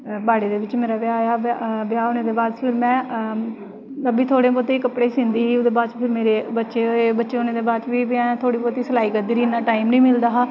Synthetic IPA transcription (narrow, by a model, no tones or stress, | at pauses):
baːɽeːd̪eːʋɪt͡ʃmeːɾaːʋɪjaːjaːbɪjaːʊnẽːd̪eːbaːd̪pʰɪɾmɛ̃ː | əbiːt̪ʰoːɽeːp̬ɔːt̪eiːkəpɽeːsɪ̃nd̪iːɦiːʊd̪eːbaːd̪t͡ʃpʰɪɾmeːɾeːbətːʃeːbətːʃeːonẽːd̪eːbaːd̪t͡ʃʋiːʋãːt̪ʰoːɽiːpɔːt̪iːsəlaːiːkəɾd̪iːɾiːnaːʈaːimnĩːmɪld̪aːɦaː